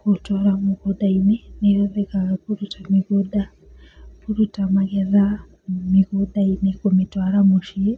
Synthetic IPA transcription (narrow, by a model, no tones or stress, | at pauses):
kutwaɾamiɡodaimenejoðekaɣakuɾutʰamiɣoda | kuɾutamaɡeða | miɣodainekumitwaːɾamuʃie